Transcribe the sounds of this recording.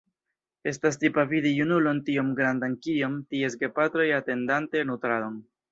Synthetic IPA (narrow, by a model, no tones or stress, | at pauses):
e̞stas̬tipavidijunulo̞ntiomɡɾandankijo̞mtie̞s̬ɡe̞patɾo̞jate̞ndante̞nutɾado̞n